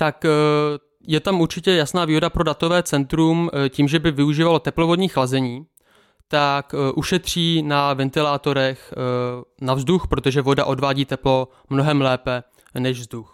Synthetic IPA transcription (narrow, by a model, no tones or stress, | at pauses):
t̪ak | jɛt̪amuɾt͡ʃɪcɛjasnaːviːɦo̞dapɾodat̪o̞vɛːt͡sɛnt̪ɾumciːmʒɛbɪvɪuʒiːvalo̞t̪ɛplo̞vo̞dɲiːxlazɛɲiː | t̪akʔuʃɛt̪r̝̥iːnavɛnt̪ɪlaːt̪o̞ɾɛx | navzduxpɾo̞t̪o̞ʒɛvo̞daʔo̞dvaːɟiːt̪ɛplo̞ | mno̞ɦɛmlɛːpɛ | nɛʒvzdux